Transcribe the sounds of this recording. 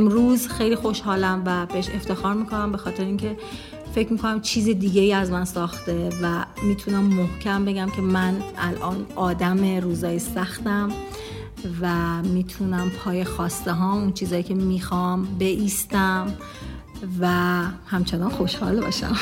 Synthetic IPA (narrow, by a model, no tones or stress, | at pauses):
ʔemɾuːzxejliːxo̞ʃhɒːlæmvæb̥eeʃe̞ft̪e̞xɒːɾmiːkʰo̞næmbe̞xɒːt̪ʰe̞ɾeiːŋcʰe̞ | fe̞cʰmiːkʰonæmt͡ʃʰiːzid̪iːɟejiːæzmænsɒːxt̪e̞væmiːt̪ʰunæmːohcʰæmbe̞ɟæmcʰe̞mænʔælʔɒːnʔɒːd̪æme̞ɾuːzɒːjesæxt̪æm | væmiːt̪ʰunæmpʰɒːje̞xɒːst̪eɦɒːunt͡ʃʰiːzɒːjiːcʰe̞miːxɒmbe̞ʔiːst̪æm | væhæmt͡ʃʰenɒnxo̞ʃhɒːlbɒ̰ːʃæ̰m